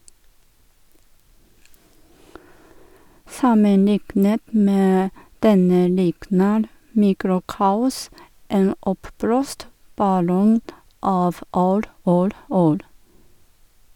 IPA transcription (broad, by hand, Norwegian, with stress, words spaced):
ˈsɑməˌnɪknət ˈmeː ˈdɛnə ˈlɪknəɾ ˈmiːkɾʊˌkɑːʊs ˈeːn ˈɔpˌbloːst bɑˈlɔŋ ˈɑːʋ ˈuːɾ ˈuːɾ ˈuːɾ